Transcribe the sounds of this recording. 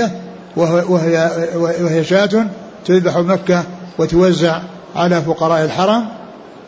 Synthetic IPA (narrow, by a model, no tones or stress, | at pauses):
a | wjawɪhɪjaʃaːt̪ʊn | t̪ʊðbaħumakːawɪt̪ʊwazːaʕ | ʕalaːfʊqɑɾˤɑːʔɪlħɑɾˤɑm